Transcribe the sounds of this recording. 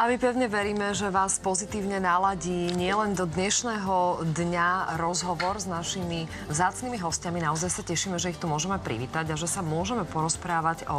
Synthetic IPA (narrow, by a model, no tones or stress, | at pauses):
ʔamipɛʊɲɛʋɛɾiːmɛʒɛʋaːspɔzit̪iːʊɲɛnalaɟiːɲɪɛlɛnd̪ɔd̪ɲɛʃnɛːɦɔd̪ɲaɾɔzɦɔʋɔɾznaʃimi | vzaːt͡sniːmiɦɔscaminaɔzajsacɛʃiːmɛʒɛixt̪umʊɔʒɛmɛpɾḭʋḭːt̪aɟaʒɛsamʊɔʒɛmɛpɔɾɔspɾaːʋaɟɔ